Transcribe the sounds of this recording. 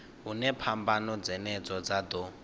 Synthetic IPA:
ɦunɛpʰambanɔd͡zɛnɛd͡zɔd͡zad̪ɔ

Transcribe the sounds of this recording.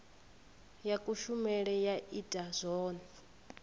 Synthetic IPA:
jakʼuʃumɛɺɛjaʔitʼaz̥ʷɔːna

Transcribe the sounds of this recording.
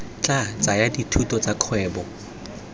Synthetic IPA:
t͡ɬʼat͡sajaditʰutʼɔt͡sakʰwɛːbɔ

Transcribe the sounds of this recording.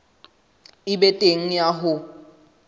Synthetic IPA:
ɪbɛtʼeŋ̩jaɦʊ

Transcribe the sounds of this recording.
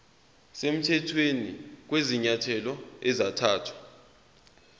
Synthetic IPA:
sem̩tʰɛtʰwenḭk̬weziɲatʰɛlɔɛzatʰaːtʰwḁ

